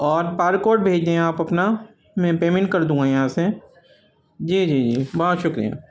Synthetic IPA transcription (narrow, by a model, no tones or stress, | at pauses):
ɔːɾpaːɾkoːɾʈ̚bʱeːd͡ʒeẽaːpɐpna | mɛ̃ːpeːmẽɳʈ̚kɐɾd̪ũːŋɡajɐɦãse | d͡ʒiːd͡ʒiːd͡ʒiːbɔɦɔt̪ʃʊkɾḭja̰ː